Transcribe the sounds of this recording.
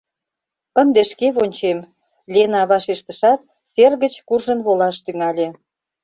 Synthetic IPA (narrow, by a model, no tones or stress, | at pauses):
ənd̪eʃkeβonʲt͡ɕem | lʲenɑβɑʃeʃt̪əʃɑt̪̚ | serɣət͡ɕkurʒənβolɑʃt̪yŋɑlʲe